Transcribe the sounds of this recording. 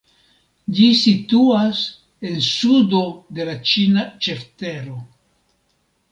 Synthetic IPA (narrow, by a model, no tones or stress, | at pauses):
d͡ʒisituas | e̞nsudo̞de̞lat͡ʃinat͡ʃe̞fteɾo̞